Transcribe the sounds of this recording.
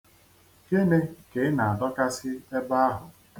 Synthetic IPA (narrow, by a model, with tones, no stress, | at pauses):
ke˦ne˦ke˨˦na˨a˨dɔ˦ka˦sɪ˦e˦ba˦a˦ɦʊ˨